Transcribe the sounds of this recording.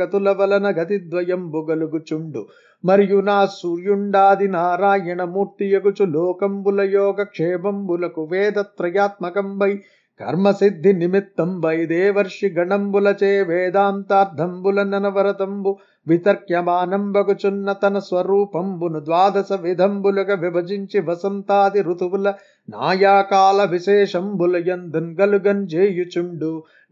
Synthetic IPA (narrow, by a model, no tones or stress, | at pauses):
ɐt̪ulɐʋɐlɐnɐɡɐt̪id̪ʋɐjɐmbuɡɐluɡut͡ʃuɳɖu | mɐɾijunaːsuɾjuɳɖaːd̪inaːɾaːjɐɳɐmuːɾt̪ijɐɡut͡ʃuloːkɐmbulɐjoːɡɐkʂeːmɐmbulɐkuʋeːd̪ɐt̪ɾɐjaːt̪̚mɐkɐmbɐj | kɐ̰ɾmɐsid̪ʱːinimit̪ːɐmbɐjd̪eːʋɐɾʂiɡɐɳɐmbulɐt͡ʃeːʋeːd̪aːnt̪aːɾd̪ʱɐmbulɐnɐnɐʋɐɾɐt̪ɐmbu | ʋit̪ɐɾkjɐmaːnɐmbɐkut͡ʃunːɐt̪ɐnɐsʋɐɾuːpɐmbunud̪ʋaːd̪ɐsɐʋid̪ʱɐmbulɐkɐʋibɐd͡ʒiɲt͡ʃiʋɐsɐmt̪aːd̪iɾut̪uʋulɐ | na̰ːjaːkaːlɐʋiʃeːʂɐmbulɐjɐnd̪unɡɐluɡɐnd͡ʒeːjut͡ʃuɳɖu